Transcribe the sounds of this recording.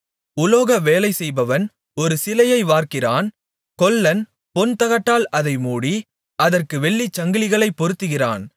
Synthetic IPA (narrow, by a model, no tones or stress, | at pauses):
ʊloːɣɐʋeːlɐɪsɛjbɐʋɐn | ɔɾɯsɪlɐjɐɪʋaːrkɪraːn | kɔlːɐn | pɔnt̪ɐɣɐʈːaːlʔɐðɐɪmuːɽi | ɐðɐrkɯʋɛɭːit͡ʃːɐŋɡɪlɪɣɐɭɐɪpːɔɾɯt̪ːɯɣɪra̰ːn